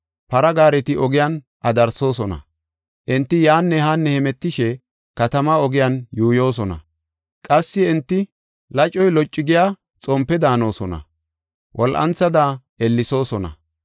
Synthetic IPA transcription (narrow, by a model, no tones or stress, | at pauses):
pɐɾɐɡaːɾɛt̪ɪʔɔɡɪjan | ʔɐd̪ɐɾso̞ːsɔnɐ̰ | ʔɪnt̪ːɪjaːnːɛhɐnːɛhɛmɛt̪ːɪʃɛ | kɐt̪ɐmɐɔɡɪjanjuːjo̞ːs̬ɔnɐ̰ | kʼɐsːɪɛnt̪ːɪ | lɐt͡ʃʼːɔjlɔt͡ʃʼːɪɡɪjaː | t͡sʼɔmpːɛd̪aːno̞ːsɔnɐ̰ | wʔɔlʔɐ̰nt͡sːɐd̪aʔɛlːɪso̞ːsɔnɐ̰